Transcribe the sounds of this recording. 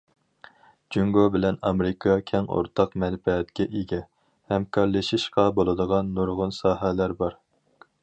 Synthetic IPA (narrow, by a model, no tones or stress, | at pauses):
d͡ʒyŋɡobɪlɛnɑmɾɪkʰɑkʲʰɛŋo̰ɾt̪ʰɑqmɛlpɛt̪kʲɛʔeɡʲɛ | hɛmkʰɑɾlˠɨʃiʃqɑbolˠɨd̪əʁɑnːuɾʁʊnsɑːɦɛlæɾbɑɾ